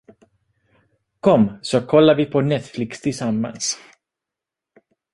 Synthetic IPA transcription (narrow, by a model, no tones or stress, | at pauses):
kʰɔmːsɔkʰɔlːaɾvɪpʰɔnɛt̪flɪkst̪ʰɪlsamːa̰ns